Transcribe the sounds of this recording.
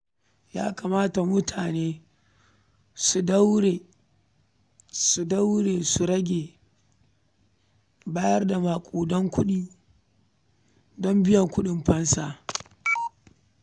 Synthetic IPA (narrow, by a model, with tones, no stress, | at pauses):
ja̰ː˦ka˨maː˦ta˨mʊ˦tʰaː˨neː˦ | su˨da˦wɽe˨ | su˨da˦wɽeː˨su˨ɾɐ˦ɡʲeː˨ | baː˦jɐ˦rda˨maː˨kʷʼoː˨dɔ˦ŋkʷʊ˦ɗiː˦ | dɔ˦mbɪ˦jɐ˨ŋkʷʊ˦ɗɪ˨mɸɐ˦nsaː˦ʔ